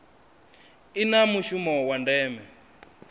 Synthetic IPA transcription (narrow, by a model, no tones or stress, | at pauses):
inamuʃumɔwandɛːmɛ